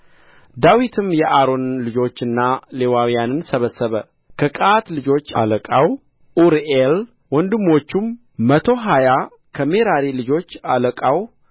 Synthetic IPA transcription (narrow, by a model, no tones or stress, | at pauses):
d̪awit̪ʰɨmjɛʔaɾo̞nlɨd͡ʒo̞t͡ʃːɨnːalewawijanɨnsəβəsːəβə | kʰəkʼat̪lɨd͡ʒo̞t͡ʃːa̰ləkʼaw | ʔuɾel | wɔnd̪ɨmːo̞t͡ʃːumː | ət̪ʰo̞ɦaja | kʰəme̞ɾaɾilɨd͡ʒo̞t͡ʃːaləkʼaw